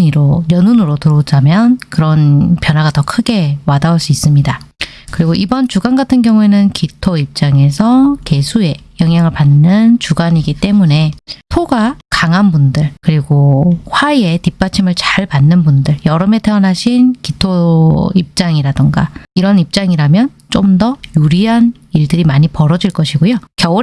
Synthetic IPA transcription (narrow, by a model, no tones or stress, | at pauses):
iɾojʌnunɯɾotɯɾʌd͡ʑamjʌnkɯɾʌnpjʌnɦwaɡatʌkʰɯɡe̞wadauɭs͈uis͈ɯmɲidakɯɾiɡoʔibʌnt͡ɕuɡanɡatʰɯnɡjʌŋue̞nɯnkitʰoip̚t͡ɕ͈aŋe̞sʰʌke̞sʰue̞jʌŋɦjaŋɯɭpanːɯnt͡ɕuɡaɲiɡit͈e̞mune̞pʰoɡakaŋɦanbundɯɭkɯɾiɡoɸwae̞tip͈at͡ɕʰimɯɭt͡ɕaɭpanːɯnbundɯɭjʌɾɯme̞tʰe̞ʌnɦaɕʰinkitʰoip̚t͡ɕ͈aŋiɾadɯŋɡa̰iɾʌnip̚t͡ɕ͈aŋiɾamjʌn | t͡ɕ͈omdʌjuɾiɦan | iɭdɯɾimaɲipʌɾʌd͡ʑiɭk͈ʌɕʰiɡojokjʌ